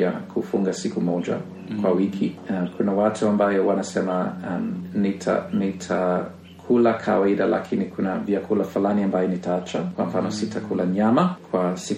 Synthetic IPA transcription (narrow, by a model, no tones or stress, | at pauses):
akʰufuŋɡasikumɔd͡ʒa̰ | kwawikʰikʰunawatuambajɔwanasɛma | nitʰa̰nitʰa | kʰulakʰa̰waiɗala̰kʰinikʰunaviakʰulafalaniambajɔnitaat͡ʃakwam̩fanɔsitʰakʰulaɲamakʰwasi